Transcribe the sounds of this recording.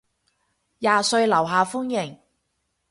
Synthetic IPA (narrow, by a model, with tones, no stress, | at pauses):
jaː˨sɵ˧ɥlɐ˨˩wɦaː˨fʊ˥ŋjɪ˨˩ŋ